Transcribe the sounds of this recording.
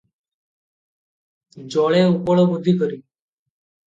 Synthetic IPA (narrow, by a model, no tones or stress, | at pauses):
d͡ʒɔɭeupoɭobud̪ʱːikɔɾi